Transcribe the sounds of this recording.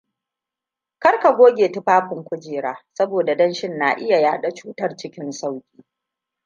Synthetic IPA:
kɐ˦rka˨ɡʷoː˦ɡʲeː˨tʊ˦ɸaː˦ɸʷʊ˨ŋkʷʊ˦d͡ʒeː˨ɾaː˦sɐ˦boː˨da˨dɐ˦nʃɪ˦nːa̰ː˨ʔɪ˦ja˨jaː˦ɗa˦t͡ʃuː˦tɐ˦rt͡ʃɪ˦kʲɪ˦nsa˦˨wkʲiː˦

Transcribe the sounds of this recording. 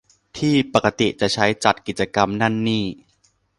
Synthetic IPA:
t̪ʰiː˥˩pa˨˩ka˧t̪i˨˩t͡ɕa˨˩ʔt͡ɕʰa˦˥jt͡ɕa˨˩t̪̚ki˨˩t̪̚t͡ɕa˧ka˧mna˥˩nːiː˥˩

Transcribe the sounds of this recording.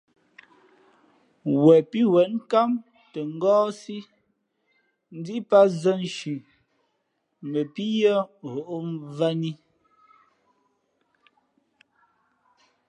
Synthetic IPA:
wɛ˨pi˦wɛ˨˦nka˦m | tɛ˨ŋ̩˦ɡɔː˦si˦ | n̩˦di˦pa˦zə˦n˨ʃʉ˨ | mə˨pi˦jɔ˦ɦo˨ʔo˦va˦ni˦

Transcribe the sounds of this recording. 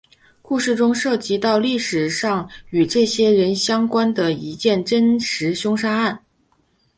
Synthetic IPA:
ku˥˧ʂɻ̩˥˩ʈ͡ʂʊ˥ŋʂɤ˥˩t͡ɕi˧˥t̪ɑ˥˧ʊli˥˩ʂɻ̩˨˩ʂɑ˥˩ŋy˨˩ʈ͡ʂɤ˥˩ɕjɛ˥ɻə˧˥nɕjɑ˥ŋkwa˥nd̪ə˨˩i˧˥t͡ɕjɛ˥˩nʈ͡ʂə˥nʂɻ̩˧˥ɕjʊ˥ŋʂa˥a˥˩n

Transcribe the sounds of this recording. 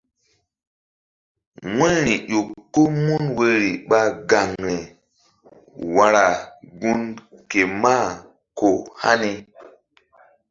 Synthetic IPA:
ŋɛ˦ɾi˨jo˨kːo˦mu˦nwe˦ɾi˨ɓa˦ɡa˨ŋɾe˨ | wa˧ɾa˨ɡu˦nke˨ma˦˨ | ko˨ha̰˦ni˦

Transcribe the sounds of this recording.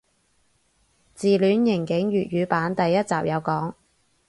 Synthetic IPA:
t͡siː˨lyː˨˥njɪ˨˩ŋkɪ˨˥ŋɥyː˨t̚ɥyː˨˧paː˨˥nt̪ɐ˨jːɐ˥t̚t͡sa̰ː˨p̚jɐ˨˧wkɔː˨˥ŋ

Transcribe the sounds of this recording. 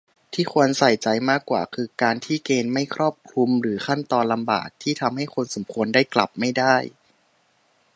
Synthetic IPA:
t̪ʰiː˥˩ku˧ənsa˨˩jt͡ɕa˧jmaː˥˩kːwa̰ː˨˩kʰɯː˧kaː˧nt̪ʰiː˥˩keː˧nma˥˩jkʰɾɔː˥˩p̚kʰlu˧mɾɯː˩˦xʰa˥˩nt̪ɔː˧nla˧mba̰ː˨˩k̚t̪ʰiː˥˩t̪ʰa˧mha˥˩jkʰo˧nso˩˦mkʰu˧əndaː˥˩jkla̰˨˩p̚ma˥˩jdaː˥˩j

